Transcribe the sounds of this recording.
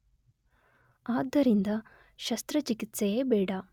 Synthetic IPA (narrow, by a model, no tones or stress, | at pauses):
aːd̪ʱːɐɾind̪ɐ | ʃɐst̪ɾɐt͡ʃikit̪sejeːbeːɽɐ